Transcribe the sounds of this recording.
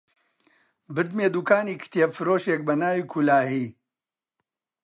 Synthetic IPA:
bɨɾd̪meːd̪uːkaːniːkʰɨ̥t̪iefɨɾoːʃek̚bɐnaːwiːkʰulaːhiː

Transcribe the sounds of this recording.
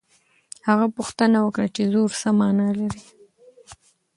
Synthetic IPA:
haɣapuxt̪ənawəkɽat͡ʃezoɾsamɑnɑlaɾi

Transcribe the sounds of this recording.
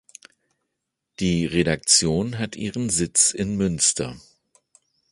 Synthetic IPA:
d̥iːʁeɾak̚t͡sjoːnɦatʔiːʁənzɪt͡sɪnmʏnstʰɐ̰

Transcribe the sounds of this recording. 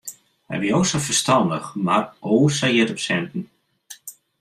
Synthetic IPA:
hɛ̰jʋiosɔfərstɑndəxmaroːsajɪtɔpsɛntn̩

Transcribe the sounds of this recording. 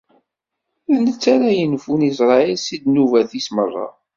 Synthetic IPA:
nət͡sːaɾæjənfunis̬ɾˤɑilsid̪nuvæθismərˤːɑ̰

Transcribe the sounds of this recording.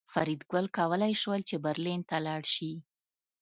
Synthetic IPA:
faɾid̪ɡəlkɑwəlajʃwəlt͡ʃebaɾlint̪alɑɽʃi

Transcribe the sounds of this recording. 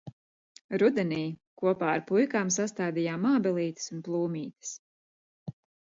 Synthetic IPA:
ɾud̪ɛnʲiːkuɔpaːaɾpujkaːmsast̪aːd̪ijaːmaːbɛlˠiːt̪ɨ̥sunplˠuːmʲiːt̪ɨ̥s

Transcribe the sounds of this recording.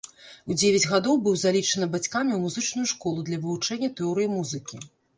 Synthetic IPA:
wd͡zʲevʲɐd͡zʲɣad̪ɔwbɨwzalʲit͡ʂɐnɨbat͡sʲkamʲiwmuzɨt͡ʂnujuʂkɔlˠud̪lʲɐvɨvut͡ʂɛnʲːɐt̪ɛɔɾɨjimuzɨkʲi

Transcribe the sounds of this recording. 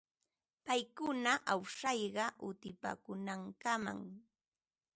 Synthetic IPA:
pajkʊnaʔawʂɑjɢɑʔʊt̪ɪpa̰ːkʊnaŋkama̰ŋ

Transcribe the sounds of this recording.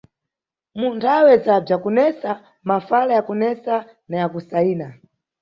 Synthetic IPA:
muntʰawɛzab͡ʐakunɛsa | mafalajakunɛsa | najakusaiːna

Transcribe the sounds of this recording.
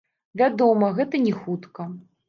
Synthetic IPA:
vʲad̪ɔmɐɣɛt̪ɐnʲɛxut̪kɐ

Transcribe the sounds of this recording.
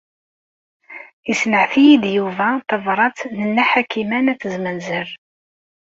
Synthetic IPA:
jəsnəʕθijid̪juvæθəvɾˤɑt͡snənːæħakːimænæθəzmənzəɾ

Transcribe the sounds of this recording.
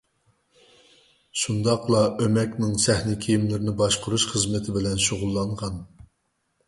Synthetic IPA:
ʃund̪ɑqlˠɑʔømɛkʲnɪŋsɛhnɪkʲʰijimlɪɾɪnɪbɑʃqʰʊɾuʃχəzmɪt̪ʰɪbɪlɛnʃoʁʊlˠːɑɴʁɑn

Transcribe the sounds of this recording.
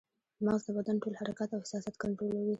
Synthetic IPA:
mɑzd̪əbad̪anʈolhaɾakat̪awhɪ̥sɑsat̪kaɳʈɾolawi

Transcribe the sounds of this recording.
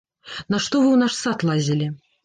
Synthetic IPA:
nɐʂt̪ɔvɨwnaʂsat̪lˠazʲilʲi

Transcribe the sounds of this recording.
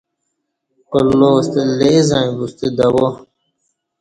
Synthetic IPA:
olːost̪elezãːĩbust̪ed̪ɐwo

